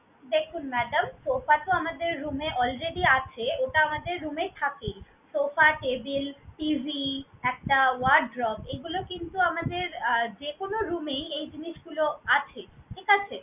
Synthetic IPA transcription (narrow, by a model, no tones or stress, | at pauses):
d̪ekʰunmɛɖamsofat̪oamad̪eɾːumeʔɔlɾeɖ̪iat͡ɕʰeoʈaamad̪eɾːumet̪ʰakej | sofaʈebilʈivʱiɛk̚ʈawaɖɖɾɔbeɡulokint̪uamad̪eɾd͡ʑekonoɾumejejd͡ʑiniʃɡuloat͡ɕʰeʈʰikat͡ɕʰe